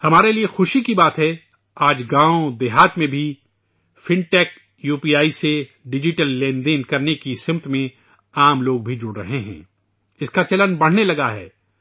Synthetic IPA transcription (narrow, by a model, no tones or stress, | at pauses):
hɐmaːɾeliexʊʃikibaːt̪ɦɛ | aːd͡ʒɡãːõd̪ɪɦaːt̪mẽbʱi | fɪ̃ɳʈɛːk̚ | juːpiːaːise | ɖɪd͡ʒɪʈəlːẽːnd̪ẽːnkɐɾnekisɪ̃mt̪mẽ | aːmloːɡ̚bʱid͡ʒʊɽɾɐ̰ɦeɦɛ̰̃ː | ɪskat͡ʃɐlənbɐɽ̤nelɐɡaɦɛ̰ː